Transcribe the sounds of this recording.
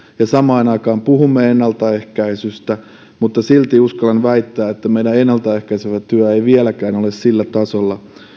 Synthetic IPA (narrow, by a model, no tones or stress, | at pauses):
jɑsɑmɑːnɑikɑːmpuhumːeenːɑlt̪ɑehkæisyst̪æ | mut̪ːɑsilt̪iuskɑlenʋæit̪ːæːet̪ːæmeidæenːɑlt̪ɑehkæiseʋæt̪yæeiʋielækæːnolessilːæt̪ɑsolːɑ